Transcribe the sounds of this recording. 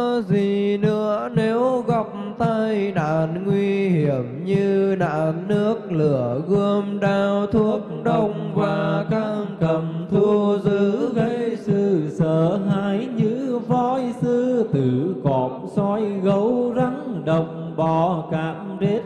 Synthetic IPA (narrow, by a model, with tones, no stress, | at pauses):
zi˨˩nɨ̰˧˥əne˨˦wɣɔ˨˩wk͡p̚t̪a˧jna̰ː˧˨nŋwi˧hi˧˩əmɲɨ˧na̰ː˧˨nːɨ˦˥ək̚lɨ̰˧˩əɣə˧əmɗaː˧˩wt̪ʰu˦˥ək̚ɗə˧wŋ͡mvaː˨˩ka˧ŋkə˨˩mt̪ʰu˧əzɨ˨˦ɣə˧jsɨ̰˧˨səː˧˨ɦaː˧˦jɲɨ˧˥vɔ˧jsɨ˧t̪ɨ˧˩kɔ˨˩˦m̚sɔ˧jɣə˨˦wza˨˦ŋɗə˨˩wŋ͡mŋ͡mɓɔ˨˧˩kaː˨˩˦ | ze˦˥t̚